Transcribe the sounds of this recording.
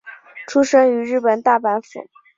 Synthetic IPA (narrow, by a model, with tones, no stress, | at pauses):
ʈ͡ʂʰu˥ʂɤ˥ŋy˧˥ɻɻ̩˥˩pə˨˩nt̪a˥˩pa˧˥nfṵ˨˧˩